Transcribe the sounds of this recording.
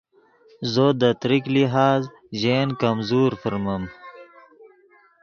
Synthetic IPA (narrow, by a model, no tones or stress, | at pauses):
zod̪ɐt̪ɾikliɦaːz | ʑeːnkɐmzuːɾfəɾmɐm